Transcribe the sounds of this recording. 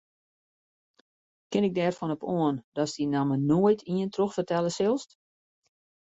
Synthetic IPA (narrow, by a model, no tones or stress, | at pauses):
kɪnɪɡ̚dɛːrfɔnɔpʰoəndɔsdinamənoəjtʰiəntroxfərtɛləsɪlˠst